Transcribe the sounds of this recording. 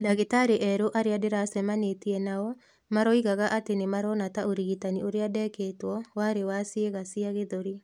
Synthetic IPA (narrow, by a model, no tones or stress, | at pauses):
laɣetaɾeʔɛɾoʔaɾeadeɾasɛmanetiɛnaɔ | maɾɔiɣaɣaʔatenemaɾɔnataoɾiɣitanioɾeadɛkeːtwɔwaɾewasieɣasiaɣeðoɾi